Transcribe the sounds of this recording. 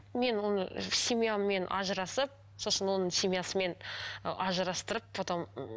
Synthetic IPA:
me̞nwo̞nəsʲimʲijamːe̞nʔɑ̰ʒəɾɑsəp̚ | so̞sənwo̞nəɴsʲimʲijasəme̞n̰ʔɑʒəɾɑst̪əɾəp̚ot̪ɑm

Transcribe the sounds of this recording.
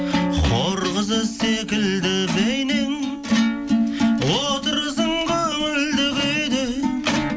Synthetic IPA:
qʰoɾʁəzəsekʲɪld̪ɪbejnɪŋ | wot̪əɾəzəɴqɑʏld̪ɪɡʲejd̪ɪ

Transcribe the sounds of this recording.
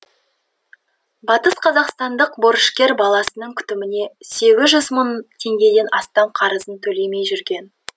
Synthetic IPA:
bɑt̪əsqʰɑzɑqst̪ɑnd̪əqbo̞ɾəʃkʲe̞ɾbɑlˠɑsənəɴkʲʰʏ̥t̪ɪmɪne̞se̞ɡʲɪzʒʏzmənt̪ʰe̞ŋɡʲe̞d̪e̞nɑst̪ɑmqʰɑɾəzənt̪ʰɵle̞jme̞jʒʏɾɡʲe̞n

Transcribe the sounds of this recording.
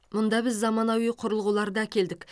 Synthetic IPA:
mʊnd̪ɑbɪzːɑmɑnɑwijqʰʊɾəlˠʁulˠɑɾd̪ɑækʲe̞ld̪ɪk

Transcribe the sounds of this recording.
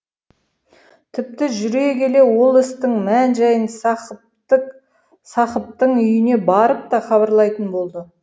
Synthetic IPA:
t̪ʰɪp̚t̪ɪʒʏɾekʲe̞le̞wo̞lˠɪst̪ɪŋmænʒɑjən | sɑqəp̚t̪əɴʏjɪne̞bɑɾəp̚t̪ɑχɑβɑɾlˠɑjt̪ənbo̞lˠd̪ə

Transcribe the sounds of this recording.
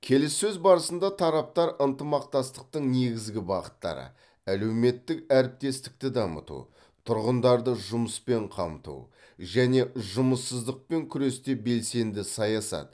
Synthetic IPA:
kʲʰe̞lɪsːɵzbɑɾəsənd̪ɑt̪ʰɑɾɑp̚t̪ɑɾʔənt̪əmɑqt̪ɑst̪ə̥q̚t̪əɴne̞ɡʲɪzɡʲɪbɑqə̥t̪ːɑ̰ɾə̰ | æle̞wme̞t̪ːɪkæɾɪp̚t̪e̞st̪ɪ̥k̚t̪ɪd̪ɑmə̰t̪ṵ | t̪ʰʊɾʁənd̪ɑɾd̪əʒʊməspe̞ɴqʰɑmt̪ṵ | ʒæne̞ʒʊməsːəzd̪əq̚pe̞ŋkʲʰʏɾe̞st̪e̞be̞lse̞nd̪ɪsɑjɑsɑ̰t̪

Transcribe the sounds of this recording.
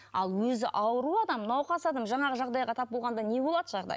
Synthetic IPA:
ɑ̰lˠwɵzɪʔɑwəɾuɑd̪ɑmnɑwqɑsɑd̪əmʒɑɴɑʁəʒɑʁd̪ɑjʁɑt̪ʰɑp̚bolˠʁɑnd̪ɑne̞bo̞lˠɑd̪əʒɑʁd̪ɑ̰j

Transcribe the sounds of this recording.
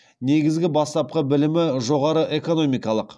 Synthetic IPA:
ne̞ɡʲɪzɡʲɪbɑst̪ɑp̚qəbɪlɪmɪʒo̞ʁɑɾəʔe̞ko̞no̞mijkɑlˠəq

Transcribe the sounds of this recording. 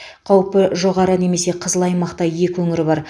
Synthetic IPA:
qʰɑwpəʒo̞ʁɑɾəne̞me̞se̞qʰəzəlˠɑjmɑqt̪ɑje̞kʲwɵŋɪɾɪbɑɾ

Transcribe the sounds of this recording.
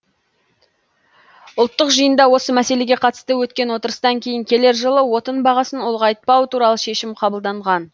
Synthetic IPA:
ʊlˠt̪ːəqʒəjənd̪ɑwo̞səmæse̞le̞ɡʲe̞qʰɑt̪ə̥st̪əwɵt̪kʲe̞nwo̞t̪əɾəst̪ɑŋkʲʰe̞jɪŋkʲʰe̞le̞ɾʒəlˠəwo̞t̪ənbɑʁɑsənolˠʁɑjt̪̚pɑwət̪uɾɑlˠəʃe̞ʃɪmqʰɑbəlˠd̪ɑɴʁɑn

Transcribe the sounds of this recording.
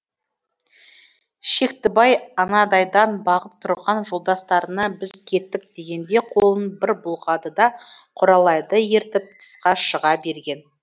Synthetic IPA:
ʃe̞kt̪ɪbɑjɑnɑd̪ɑjd̪ɑnbɑʁəp̚t̪ʰʊɾʁɑnʒolˠd̪ɑst̪ɑɾənɑbɪzkʲʰe̞t̪ːɪk̚d̪e̞ɡʲe̞nd̪e̞qʰo̞lˠənbɪɾbʊlˠʁɑd̪əd̪ɑqʰʊɾɑlˠɑjd̪əje̞ɾt̪ɪp̚t̪ʰə̥sqɑʃəʁɑbe̞ɾɡʲe̞n

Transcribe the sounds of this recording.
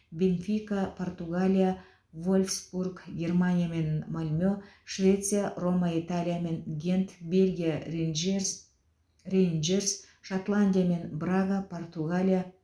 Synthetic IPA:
bʲenfʲijkapʰo̞rt̪uɡalʲija | volʲfsburkɡʲe̞rmanʲijame̞nmalʲmʲøʃvʲe̞t̪sɨjaro̞mait̪alʲijame̞nɡʲe̞nt̪bʲe̞lʲɡʲija | rend͡ʒers | ʃat̪lˠanʲd̪ʲijame̞nbraɡapʰo̞rt̪uɡalʲija

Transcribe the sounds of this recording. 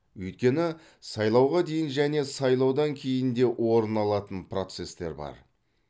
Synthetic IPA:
wɵjt̪̚kʲe̞nɪ | sɑjlˠɑwʁɑd̪e̞jɪnʒæne̞sɑjlˠɑwd̪ɑŋkʲʰe̞jɪnd̪e̞ʔwʔo̞ɾənɑlˠɑt̪ənpro̞t̪se̞st̪e̞̰ɾbɑ̰ɾ

